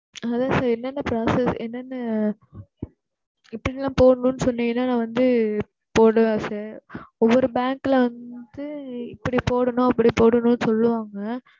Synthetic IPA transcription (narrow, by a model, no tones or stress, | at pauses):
ɐðaːsaːɾɛnːɐnːɐpɾaːsɛsɛnːɛnːɐ | ɪpːɐɽɪlːãːpoːɽɐɳũnːɯsɔnːɪŋɐnːaːnãːʋɐnd̪ɯ | poːɽɯʋaːsaːɾɔʋːɔɾɯbaːŋkɪlɐʋɐnd̪ɯɪpːɐɽipoːɽɐnʊ̃ɐpːɐɽipoːɽɐnʊ̃nːɯsɔlːɯʋaːŋɡɐ